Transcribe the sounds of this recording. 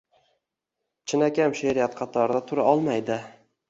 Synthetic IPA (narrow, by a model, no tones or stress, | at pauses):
t͡ʃʰɪnakʲʰamʃeɾijat̪̚qʰɑt̪ʰɒɾd̪at̪ʰʊɾaɒlˠmajd̪ɪ